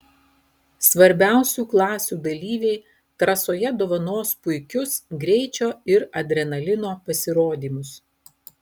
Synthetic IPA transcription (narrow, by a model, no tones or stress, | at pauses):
sʋɐɾʲbʲæˑʊsʲuːklˠɑːsʲuːd̪ɐlʲiːʋʲɛɪ | t̪ɾɐsoːjɛd̪oːʋɐnoːspʊɪkʲʊsɡɾʲɛɪt͡ʃʲoːɪɾɐd̪ʲɾʲɛnɐlʲɪnoːpɐsʲɪɾoːd̪ʲiːmʊs